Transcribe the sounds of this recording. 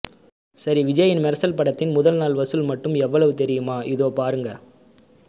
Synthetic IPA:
sɐɾiʋɪd͡ʒɐjɪnmɛɾɐsɐlpɐɽɐt̪ːɪnmʊðɐlnaːɭʋɐsɯlmɐʈːɯmɛʋːɐɭɐʋɯt̪ɛɾɪjɯmaːʔɪðoːpaːɾɯŋɡɐ

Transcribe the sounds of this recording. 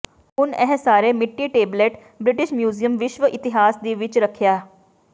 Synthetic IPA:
unɛɦsaːɾemiʈːiːʈeːbleʈ | bɾiʈiʃmjuːzijəmʋiʃʋəʔit̪iɦaːsd̪iːʋiːt͡ɕɾəkʰjaː

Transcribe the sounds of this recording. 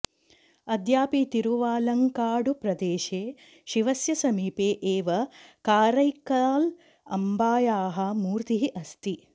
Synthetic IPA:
ɐd̪jaːpit̪iɾuʋaːlɐŋkaːɖupɾɐd̪eːʃeː | ʃiʋɐsjɐsɐmiːpeːʔeːʋɐkaːɾɐjkaːl | ɐmbaːjaːɦɐmuːɾt̪iɦiʔɐst̪i

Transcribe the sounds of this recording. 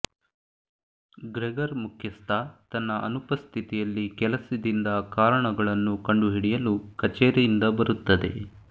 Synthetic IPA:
ɡɾɛɡɐɾmukʰjɐst̪ʰɐt̪ɐnːɐʔɐ̰nupɐst̪ʰit̪ijɐlːikɛlɐsid̪ind̪ɐkaːɾɐɳɐɡɐɭɐnːukɐɳɖuɦiɽijɐlukɐt͡ʃɛːɾɛjind̪ɐbɐɾut̪ːɐd̪e̞̰

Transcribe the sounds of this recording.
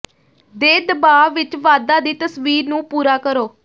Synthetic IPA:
d̪eːd̪əbaːʋɪt͡ʃʋaːd̪aːd̪iːt̪əsʋiːɾnũːpuːɾaːkəɾoː

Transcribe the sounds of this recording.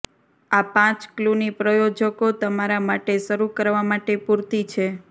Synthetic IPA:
apãt͡ʃklunipɾəjod͡ʒəkot̪əmaɾamaʈeʃəɾukəɾʋamaʈepuɾt̪it͡ʃʰe

